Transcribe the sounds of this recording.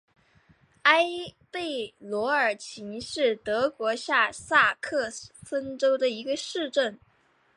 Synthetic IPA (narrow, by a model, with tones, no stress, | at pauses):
a˥ɪpe˥˩ɪlwɔ˧˥ə˞˨˩t͡ɕʰi˧˥ŋʂɻ̩˥˩t̪ɤ˧˥kwɔ˧˥ɕja˥˧sa˥˧kʰɤ˥˧fə˥nʈ͡ʂo˥ʊd̪ə˨i˧˥ɡə˧ʂɻ̩˥˧ʈ͡ʂə˥˩n